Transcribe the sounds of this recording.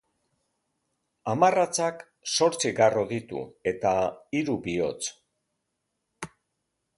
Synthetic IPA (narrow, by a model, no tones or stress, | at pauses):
amarat͡sak | so̞ɾt͡siɣaro̞ðit̪ṵe̞t̪aiɾuβio̞̰t͡s